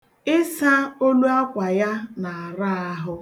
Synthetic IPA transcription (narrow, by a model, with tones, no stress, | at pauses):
ɪ˦sa˦o˦lu˦a˦kʷa˨ja˦na˨a˨ɾa˦a˦ɦʊ˦